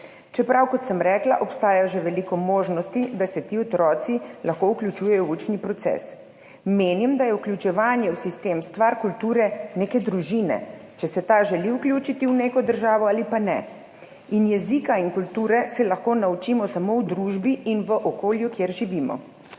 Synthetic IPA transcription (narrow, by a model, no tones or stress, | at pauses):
t͡ʃɛpɾawkɔt̪səmɾɛːklaʔɔpst̪aːjaʒɛʋɛlikɔmoːʒnɔst̪id̪asɛt̪iːɔt̪ɾɔːt̪silaxkowklʲut͡ʃuːjɛjɔut͡ʃnipɾɔt̪sɛ̰s | meːnimd̪ajɛuklʲjut͡ʃɛʋaːnjɛwsist̪eːmst̪ʋaɾkult̪uːɾɛneːkɛd̪ɾuʒinɛ̰t͡ʃɛsɛt̪aʒɛliwklʲjuːt͡ʃit̪iwneːkɔd̪əɾʒaːʋɔaːlipanɛ̰ | injɛzikainkult̪uːɾɛsɛlɐxkoːnaut͡ʃiːmɔsamowd̪ɾuːʒbiʔinʋəʔokoːljukjeɾʒiʋimɔ̰